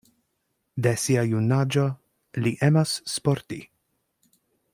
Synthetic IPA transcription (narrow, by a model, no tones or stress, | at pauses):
d̪ɛsiajunad͡ʒo | liʔɛmasːpɔɾt̪i